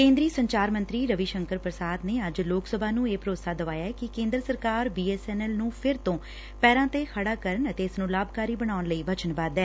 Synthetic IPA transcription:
kẽːnd̪ɾiːsəɲt͡ʃaːɾmə̃nt̪ɾiːɾəʋiːʃəŋkəɾpɾəsaːd̪neːəd͡ʒloːksəbʱaːnũːeːpɾoːsaːd̪əʋaːjaːɛːkɪkẽːnd̪ɾəsəɾkaːɾbiːɛːsɛːnɛːlnũːpʰɪɾt̪õː | pɛːɾãːt̪eːkʰəɽaːkəɾəɳət̪eːɪsnũːlaːbkaːɾiːbəɽ̃aːʊnləiːbət͡ʃənbaːd̪ɛː

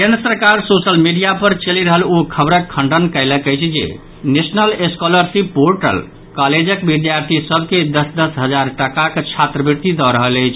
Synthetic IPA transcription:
kenəsəɾkaɾsosəlmiɖijapəɾt͡ʃəliɾəɦəlokʰəbɾəkʰːəɳɖənkəɪləkəjt͡ʃʰd͡ʒḛ | nesnəleskɔləɾsipːoɾʈə̰l | kaled͡ʒəkbid̪jaɾt̪ʰisəbʱked̪əsd̪əsɦəd͡ʒaɾʈəkakt͡ʃʰat̪ɾəbiɾt̪id̪ɔɾəɦələjt͡ʃʰ

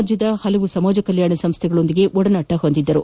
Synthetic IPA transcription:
d͡ʒjɐd̪ɐhɐlɐʋusɐmaːd͡ʒɐkɐljaːɳɐsɐmst̪ʰɛɡɐɭo̞nd̪iɡe̞ʔɔɽɐnɐʈːɐɦo̞nd̪id̪ːɐɾu

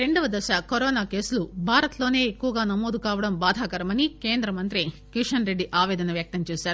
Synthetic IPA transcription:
ɾe̞ɳɖɐʋɐd̪ɐʃɐkoɾoːnaːke̞ːsulubʱaːɾɐt̪loːne̞ːekːuʋɐɡaːnɐmoːd̪ukaːʋɐɽɐmbaːd̪ʱaːkɐɾɐmɐnike̞ːnd̪ɾɐmɐnt̪ɾikiʂɐnɾe̞ɖːiʔaːʋɛːd̪ɐnɐʋjɐk̚t̪ɐmt͡ʃeːʃaːɾuu

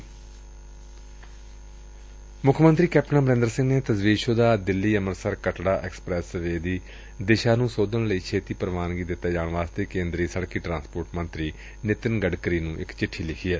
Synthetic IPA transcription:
mʊkʰmənt̪ɾiːkɛːp̚ʈənãːbəɾẽnd̪əɾsɪ̃ŋɡneːt̪əzʋiːʃõːd̪aːd̪ɪlːiːəməɾsəɾkəʈɽaːʔɛ̰ːksə̥pɾɛːsəʋeːd̪iː | d̪ɪʃaːnũːsoːd̪ənləiːkʰeːt̪iːpəɾʋaːnɡiːd̪ɪt̪ːaːd͡ʒaːɳ̃ʋaːst̪eːkẽːnd̪ɾiːsəɽkiːʈɾãːnspoːɾʈmənt̪ɾiː | nɪt̪ɪnɡəɖkɾiːnũːʔɪ̰kt͡ʃɪʈʰːiːlɪkʰiːɛː

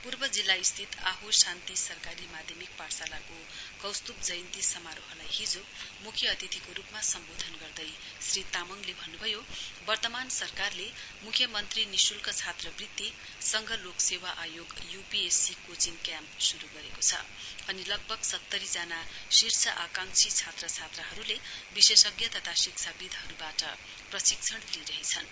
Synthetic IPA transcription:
purbʌd͡zilːaist̪ʰit̪aɦusant̪isʌrkaɾimad̪ʱjemik̚parsalako | kʌwst̪up̚d͡zʌjnt̪isʌmaɾoɦʌlajɦid͡zo | mukʰjʌʌt̪it̪ʰikoɾupmasʌmbod̪ʱʌnɡʌrd̪ʌj | srit̪amʌŋlebʱʌnːubʱʌjobʌrt̪ʌmansʌrkarle | mukʰjʌmʌnt̪rinisulkat͡sʰat̪rʌbrit̪ːi | sʌŋɡʱʌloksewaʔajoɡjupiesikot͡sinkjampsuɾuɡʌɾekot͡sʰʌ̰ | ʌnilʌɡ̚bʱʌɡsʌt̪ːʌɾid͡zanasirt͡sʰʌʔakaŋt͡sʰit͡sʰat̪rʌt͡sʰat̪rʌɦʌɾulebisesʌɡjʌt̪ʌt̪ʰasikt͡sʰabid̪ʱɦʌɾubaʈʌ | prʌsik̚t͡sʰʌɽliɾʌɦet͡sʰʌn

